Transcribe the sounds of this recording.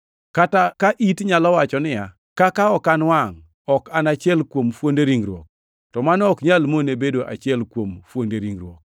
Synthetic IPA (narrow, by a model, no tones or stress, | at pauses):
katakaʔitɲalɔwat͡ʃɔnɪja | kakaɔkanwaŋ | ɔkanat͡ʃɪɛlkwomfondeɾiŋɾwɔ̰k̚ | tɔmanɔkɲalmonebedoʔa̰t͡ʃɪɛlkwomfwondeɾiŋɾwok̚